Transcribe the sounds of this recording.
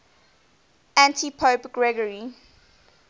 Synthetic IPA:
æ̃ntʰipʰopɡ̥ɹɛɡəɹi

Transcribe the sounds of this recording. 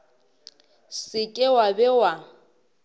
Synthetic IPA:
sɪkʼɪwabɛwa

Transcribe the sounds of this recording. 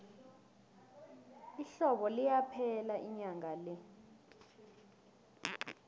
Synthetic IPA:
iɬɔɓɔlijapʰɛlaʔiɲaŋalɛ

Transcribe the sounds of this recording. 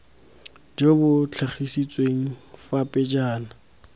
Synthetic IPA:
d͡ʒebʊt͡ɬʰaχisit͡sʼweŋ̩fapʼɪd͡ʒaːna

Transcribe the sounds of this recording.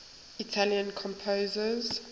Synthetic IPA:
itʰaljə̃nkʰɔ̃mpʰoːzəz

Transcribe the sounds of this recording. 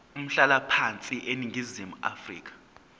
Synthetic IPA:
um̩ɬalapʰant͡sʼiʔeniŋɡʱizimua̰frḭːk̬ʼḁ

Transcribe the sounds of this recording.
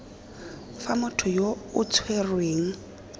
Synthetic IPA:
famʊtʰɔjoʊt͡sʰwerweːŋ̩

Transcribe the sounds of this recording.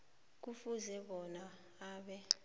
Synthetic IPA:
k̬ufuzɛɓɔna | aːɓɛ

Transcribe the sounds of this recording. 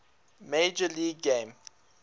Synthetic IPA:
med͡ʒəliɡɡẽm

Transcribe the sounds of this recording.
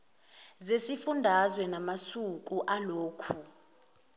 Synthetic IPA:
zesifundʱazwɛnamasuk̬ʼuʔaloːkʰu

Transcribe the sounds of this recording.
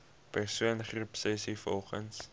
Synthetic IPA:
pərsuənχrupsɛsifɔ̰lˠχəns

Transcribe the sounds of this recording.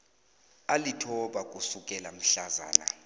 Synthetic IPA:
alitʰɔɓakʼusukʼɛlam̩ɬaza̰ːna̰

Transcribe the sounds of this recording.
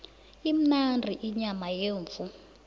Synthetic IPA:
im̩nandʱiʔiɲamajeːɱvu

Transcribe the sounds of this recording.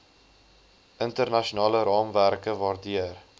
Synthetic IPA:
ʔəntərnɐʃiunɑːləɾɑːmværkəvɑːrdiər

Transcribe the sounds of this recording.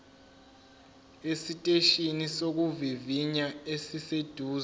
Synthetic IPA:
esitʼeʃinisok̬uviviɲaesised̥ʱuːz

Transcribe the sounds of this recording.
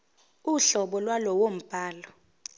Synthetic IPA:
uɬɔɓɔlwalɔwom̩b̥ʱaːlɔ

